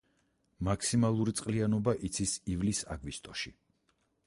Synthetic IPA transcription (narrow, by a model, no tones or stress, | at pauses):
makʰsimalˠuɾit̪sʼqʼlianɔbaʔit̪sʰisivlisa̰ɡvist̪ʼɔʃi